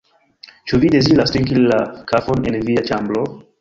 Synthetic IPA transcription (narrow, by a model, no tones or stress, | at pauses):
t͡ʃuvidezilastiŋkillakʰafonḛ̃nviat͡ʃãmblo